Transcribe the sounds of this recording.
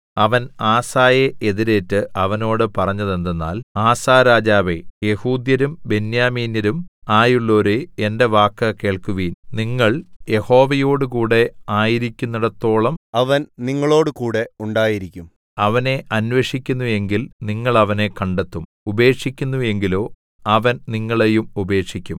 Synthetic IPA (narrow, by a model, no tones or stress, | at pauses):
ɐʋɐnaːsaːjeʔeðiɾe̞ːtːɨʔɐʋɐno̞ːɽɨpɐrɐɲːɐðe̞nd̪enːa̰ːlaːsaːɾaːd͡ʑaːʋeje̞huːd̪jɐɾumbe̞njaːmiːnjɐɾumaːjuɭːo̞ɾuendeʋaːkːɐke̞ːɭkuʋiːnniŋːɐɭje̞ho̞ːʋɐjo̞ːɽukuːɽe̞aːjiɾikʲːunːɐɽɐt̪ːo̞ːɭɐmɐʋɐnniŋːɐɭo̞ːɽɨkuːɽe̞uɳɖaːjiɾikʲːum | ɐʋɐne̞ʔɐnʋeʂikʲːunːue̞ŋɡilniŋːɐɭɐʋɐne̞kɐɳɖet̪ːum | ube̞ːkʂikʲːunːue̞ŋɡilo̞ː | ɐʋɐnniŋːɐɭejumube̞ːkʂikʲːum